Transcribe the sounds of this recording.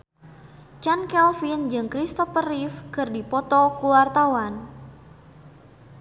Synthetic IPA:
t͡ʃankɛlfind͡ʒɨŋkɾist̪ɔfərifkɨrdipɔt̪ɔkuwart̪awan

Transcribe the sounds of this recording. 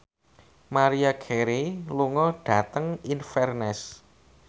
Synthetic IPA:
maɾiakʰɛɾiluŋɔɖ̥ä̤t̪əŋinfɛrnɛs

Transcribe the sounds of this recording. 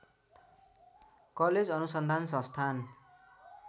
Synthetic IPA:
kʌled͡zʌnusʌnd̪ʱansʌ̃st̪ʰan

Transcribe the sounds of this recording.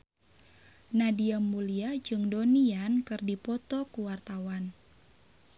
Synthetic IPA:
nadiəmːuliad͡ʒɨŋdoniankɨrdipɔt̪ɔkuwart̪awan

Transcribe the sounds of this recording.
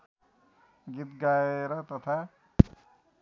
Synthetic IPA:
ɡit̪ɡaeɾʌt̪ʌt̪ʰa

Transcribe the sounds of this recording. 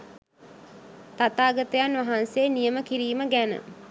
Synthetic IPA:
t̪at̪aːɡət̪əjanʋaɦanseːnijəməkiɾiːməɡænə̰

